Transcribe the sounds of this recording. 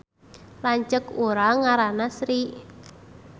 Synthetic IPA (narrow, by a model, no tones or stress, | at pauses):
laɲt͡ʃəkuɾaŋaɾanasɾiʔ